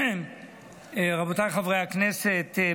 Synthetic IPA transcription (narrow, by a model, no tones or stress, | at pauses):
ʁabot̪ajχavʁejhakneset̪